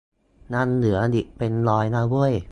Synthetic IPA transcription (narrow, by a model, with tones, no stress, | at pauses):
na˥˩˨nːɯ˩˦ɐdi˨˩ʔpe˧nlɔː˧jnaː˥˩bu˥˩əj